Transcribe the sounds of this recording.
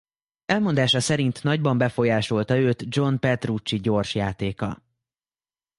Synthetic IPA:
ɛlmo̞nd̪aːʃɒsɛɾint̪nɒɟbɒmbɛfo̞jaːʃo̞lt̪ɒøːt̪d͡ʒo̞npɛt̪rut͡ʃːiɟo̞rʃjaːt̪eːkɒ

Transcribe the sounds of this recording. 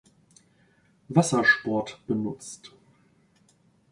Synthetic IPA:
vasɐʃpɔɐtb̥ənʊt͡st

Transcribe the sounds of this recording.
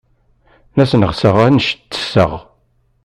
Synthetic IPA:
næsnəʁsəʁænəʃt̪ːə̥sə̰ʁ

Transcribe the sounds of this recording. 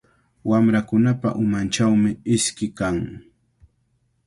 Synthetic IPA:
wamɾakʊnapa̰ʔʊmant͡ʃawmɪɪskɪkaŋ

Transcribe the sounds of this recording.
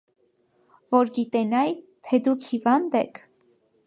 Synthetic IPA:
vɔɾɡit̪ɛnɑjt̪ʰɛd̪ukʰhivɑnd̪ɛkʰ

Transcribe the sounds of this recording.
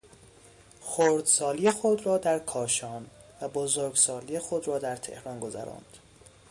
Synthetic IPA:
xoɾd̪sɒːliːjexod̪ɾɒːd̪æɾkʰɒːʃɒːn | væbozoɾɡsɒːlijexod̪ɾɒːd̪æɾt̪ʰe̞̰hɾɒːnɡo̞zæ̰ɾɒ̰ːnd̪̥

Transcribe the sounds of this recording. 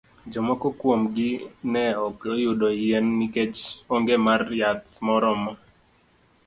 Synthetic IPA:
d͡ʒɔmɔkɔkwomɡɪnɛɔkojʊdɔjɛnːiket͡ʃoŋɡemarjat̪mɔɾɔmɔ

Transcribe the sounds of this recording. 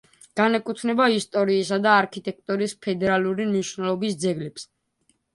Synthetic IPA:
ɡ̥anɛkʼut̪ʰnɛbaist̪ʼɔɾiːsad̪aːɾkʰit̪ʼɛk̚ʰt̪ʼuɾispʰɛd̪ɛɾalˠuɾimniʃvnɛlˠɔbisd̪zɛɡlɛps

